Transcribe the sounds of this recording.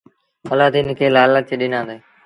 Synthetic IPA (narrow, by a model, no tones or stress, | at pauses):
məlaːd̪iːnkʰeːlaːləːt͡ʃeːɗɪnãːnd̪eː